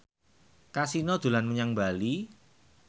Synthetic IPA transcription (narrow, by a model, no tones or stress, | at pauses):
kasinɔd̪̥ṳlanməɲaŋbali